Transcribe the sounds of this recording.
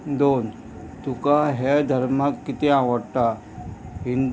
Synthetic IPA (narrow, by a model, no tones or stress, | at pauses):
d̪oːn | t̪ukaɦɛd̪ʱɐɾmakːɪt̪eãʋəʈːa | ɦɪ̃nd̪